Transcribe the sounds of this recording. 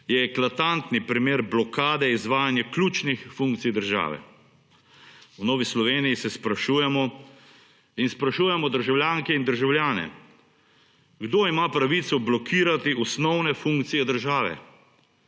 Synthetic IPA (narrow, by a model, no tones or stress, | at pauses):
jɛːklat̪ant̪nipɾimeːɾblɔkʰaːd̪ɛizʋaːjanjaklʲut͡ʃnixfuŋk̚t̪sijd̪əɾʒa̰ːʋɛ̰ | wnɔːʋislɔʋeːnijisɛspɾaʃuːjɛmɔ | inspɾaʃuːjɛmɔd̪əɾʒawljaːŋkɛind̪əɾʒawljaːnɛ̰ | ɡd̪oːimaːpɾaʋit̪sɔblɔkʰiːɾat̪iɔsnɔwnɛfũŋkt̪sijɛd̪əɾʒaːʋɛ̰